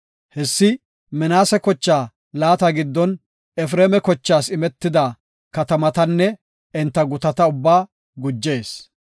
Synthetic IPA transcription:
hɛsːɪ | mɛnaːsɛkɔt͡ʃːaː | laːt̪ɐɡɪd̪ːɔn | ɛfɾeːmɛkɔt͡ʃːaːsɪmɛt̪ːɪd̪a | kɐt̪ɐmɐt̪ɐnːɛ | ɛnt̪ːɐɡʊt̪ɐt̪ɐʊbːaː | ɡʊd͡ʒːe̞ːs

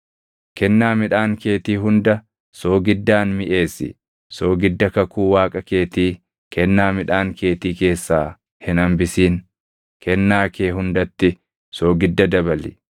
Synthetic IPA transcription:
kɛnːaːmɪᶑaːŋke̞ːt̪iːɦʊnd̪ɐ | soːɡɪd̪ːaːnmɪʔe̞ːsːɪ̰ | so̞ːɡɪd̪ːɐkɐkuːwaːkʼɐke̞ːt̪iː | kʰɛnːaːmɪᶑaːŋke̞ːt̪iːke̞ːsːaː | hɪnɐmbɪsiːn | kʰɛnːaːkʰe̞ːɦʊnd̪ɐt̪ːɪ | soːɡɪd̪ːɐd̪ɐbɐlɪ̰

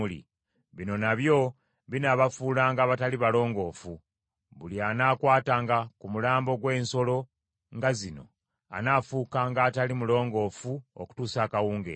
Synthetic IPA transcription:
ulḭ | βino̞naβjo̞ | βinaβafuːlaːŋɡaːβataliβalo̞ːŋɡo̞ːfu | βulianaːkwaːtaːŋɡakumulaːmbo̞ɡwe̞ːnso̞lo̞ | ŋɡazino̞̰ | a̰nafuːkaːŋɡaːtalimulo̞ːŋɡo̞ːfuoku̥tuːsaːkawuːŋɡḛ

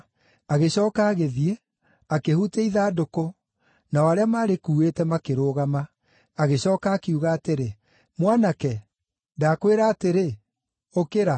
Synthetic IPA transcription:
aɣeɕɔːkaːɣeðie | akehuteiðaːdoko | naɔaɾeamaːɾekuːetɛmakeɾoɣamaː | ɣeɕɔːkaːkiuɣaːteɾe | mwanakɛ | ndaːkweɾaːteɾe | okeɾa

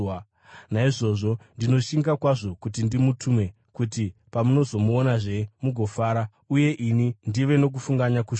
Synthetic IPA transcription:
naiʐo̞ːʐo̞ndino̞ʃiŋɡakwaʐo̞kut̬indimutʰume̞ | kutipamuno̞zo̞muonaʐe̞muɡʱo̞faːɾa | uje̞ʔinindiʋe̞no̞k̬ufuŋɡaɲakuʃ

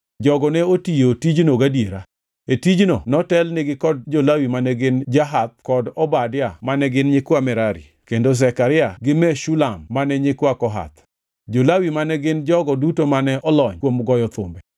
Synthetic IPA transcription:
d͡ʒɔɡɔnɛotijotid͡ʒnoɡadjeɾa | etid͡ʒnonɔtɛlnɪɡɪkɔd̚d͡ʒolawimanɛɡɪnd͡ʒaɦat̪̚kɔdɔbadɪjamanɛɡɪnɲɪkwamɛɾaɾḭ | kendosɛkaɾɪaɡɪmɛʃulamːanɛɲɪkwakɔɦa̰t̪ | d͡ʒolawimanɛɡɪnd͡ʒɔɡɔdutomanɛʔɔlɔɲkwomɡɔjɔt̪ʊ̰mbɛ

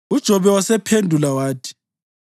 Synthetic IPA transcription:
ud̥ʒ̥ʱɔβɛwasɛpʰendʱulawaːtʰi̥

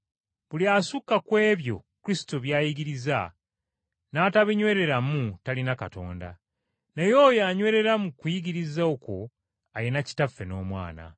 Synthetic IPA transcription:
βuliasukːakwe̞ːβjo̞̰kuɾisi̥toβjaːjiɡiɾiza | naːtaβiɲwe̞ːɾe̞ɾamutalinakato̞̰ːnda̰ | nejo̞jaɲwe̞ːɾe̞ɾamukujiɡiɾizaoko̞ | ajenaci̥tafːe̞no̞̰ːmwa̰ːna̰

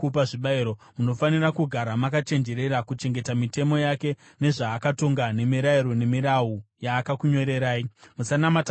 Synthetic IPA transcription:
upaʐiɓaiɾomuno̞fanirakuɡʱaɾamakat͡ʃe̞nd͡ʒe̞ɾe̞ɾakut͡ʃe̞ŋɡe̞tamite̞mo̞jake̞ | ne̞ʐaːkato̞ŋɡane̞miɾaiɾo̞ne̞miɾaujaːkakuɲo̞ɾe̞ɾaːimusanamat

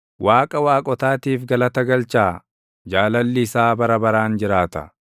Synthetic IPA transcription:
wʔaːkʼɐwaːkʼɔt̪aːt̪iːfɡɐlɐt̪ɐɡɐlt͡ʃaː | d͡ʒaːlɐlːɪːsaːbɐɾɐbɐɾaːnd͡ʒɪɾaːt̪ɐ̰

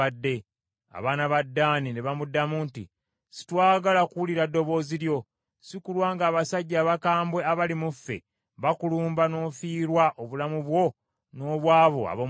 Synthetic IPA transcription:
adːe̞ | a̰βaːnaβadːaːnine̞βamudːamuntḭ | si̥twaːɡalakuwuliɾadːo̞βo̞ːziɾjo̞ | sikulwaːŋɡaːβasaɟːaːβakaːmbwe̞aβalimufːe̞̰ | βakuluːmbano̞ːfiːɾwaʔoβulamuβwo̞ | no̞ːβwaːβo̞̰a̰βo

